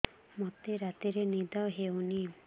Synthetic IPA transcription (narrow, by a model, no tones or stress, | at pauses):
mot̪eɾat̪iɾenid̪ɔɦewni